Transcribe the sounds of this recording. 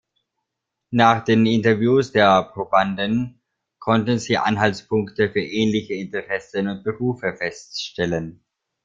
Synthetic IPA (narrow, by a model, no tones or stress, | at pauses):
naːχd̥eːnɪntɐvjuːsd̥eːɐpʁ̥obandən | kʰɔntən̩ziːʔa̰nɦaltspʰʊŋktəfyːɐʔɛːnlɪçəɪntəʁɛsənʊnt̚b̥əʁuːfəfɛstʃtɛlən